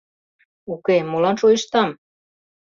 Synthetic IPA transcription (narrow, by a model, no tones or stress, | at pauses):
ukemolɑnʃoiʃt̪ɑm